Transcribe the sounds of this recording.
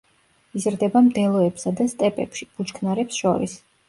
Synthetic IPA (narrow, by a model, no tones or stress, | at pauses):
izɾd̪ɛbamd̪ɛlˠɔɛpsad̪ast̪ʼɛpʼɛ̰pʃib̥ut͡ʃkʰnaɾɛpsʃɔɾḭs